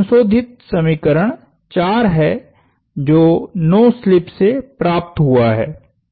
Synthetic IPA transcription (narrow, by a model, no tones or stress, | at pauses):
nsoːd̪ʱɪt̪̚sɐmiːkəɾəɽ̃ | t͡ʃaːɾɦɛː | d͡ʒoːnɔːslɪpsepɾaːp̚t̪ɦʊaɦɛ̰ː